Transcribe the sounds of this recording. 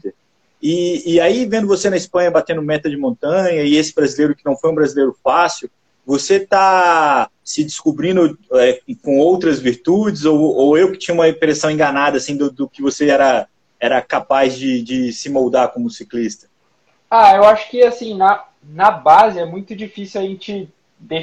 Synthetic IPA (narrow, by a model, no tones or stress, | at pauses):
ɪːaivẽnd̪ʊvosenɐispɐ̃ɲɐbat̪ẽnd̪ʊmɛt̪ɐd͡ʒɪmõnt̪ɐ̃ɲɐɪesɪ̥bɾazilejɾʊkɪnɐ̃w̃fojũbɾazilejɾʊfasiʊ | voset̪a | sɪd͡ʒɪskubɾĩnd̪ʊɛkõowt̪ɾɐzviɾt̪ud͡ʒɪzooewkɪ̥t͡ʃĩɲɐ̃ũmɐpɾesɐ̃w̃ẽŋɡanad̪ɐːsĩd̪ʊd̪ʊkɪvoseɛɾɐ | ɛɾɐkapazd͡ʒɪd͡ʒɪsɪmowd̪aɾkõmʊsiklist̪ɐ̥ | aewaʃʊ̥kɪasĩnɐ | nɐbazɪɛmũj̃t̪ʊd͡ʒifisjuwɐʒẽt͡ʃɪ | d̪e